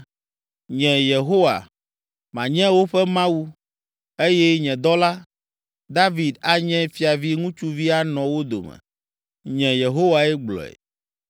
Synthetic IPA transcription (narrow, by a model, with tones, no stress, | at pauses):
ɲɛ̃˨je˨ɦo˦wa̰˨ | mã̰˨ɲɛ̃˦wo˦ɸɛ˦mã˦wu˦ | e˦jɛ˦ɲɛ̃˨d̪ɔ˦la˦ | d̪a˦vi˨d̪a˦ɲɛ̃˦fi˦a˨vi˦ŋũ˦t͡ʃu˦vi˦a˦nɔ̃˨wo˦d̪o̰˨mɛ̰̃˨ | ɲɛ̃˨je˨ɦo˦wa˨ɛ˦ɡ͡blɔ̰˨ḛ˨